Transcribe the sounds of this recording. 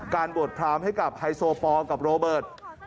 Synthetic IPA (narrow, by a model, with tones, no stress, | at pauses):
kaː˧nbu˨˩ət̪̚pʰɾaː˧mha˥˩jka˨˩p̚ha˧jsoː˧pɔː˧ka˨˩p̚ɾoː˧bɤː˨˩t̪̚